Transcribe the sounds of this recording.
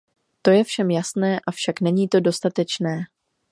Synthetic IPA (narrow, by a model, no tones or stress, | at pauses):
t̪o̞jɛfʃɛmjasnɛːʔafʃaknɛɲiːt̪o̞do̞st̪at̪ɛt͡ʃnɛː